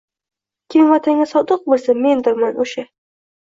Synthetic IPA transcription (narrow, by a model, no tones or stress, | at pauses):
kʲʰɪmvat̪ʰaŋʲasɒd̪ɨq̚bolˠsame̞nd̪ɪɾmanʔoʃa